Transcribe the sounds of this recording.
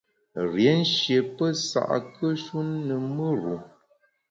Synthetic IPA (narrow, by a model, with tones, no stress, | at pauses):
ɾjɛ˨˦n̩˦ʃje˨pə˦sa̰˨ʔkə˦ʃu˦nːə˨mə˦ɾu˨